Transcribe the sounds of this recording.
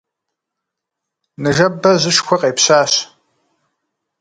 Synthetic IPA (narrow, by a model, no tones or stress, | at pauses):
nɨʒɐbɐʑɨʂxʷɐqʼeːpɕaːɕ